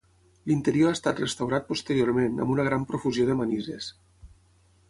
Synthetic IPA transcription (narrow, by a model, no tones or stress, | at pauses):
lint̪əɾioast̪at̪rəst̪awɾat̪̚post̪əɾioɾmenə̰mbunəɣ̞ɾampɾofuzjoðəmanizḛs